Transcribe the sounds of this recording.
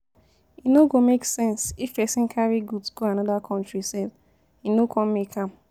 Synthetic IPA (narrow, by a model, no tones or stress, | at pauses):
inoɡomeksɛ̃nsifɛsĩn̩kʰaɹiɡudsɡ̥oanɔdakʰɔ̃ntɹisɛl | inokʰɔ̃m̩mikʰãm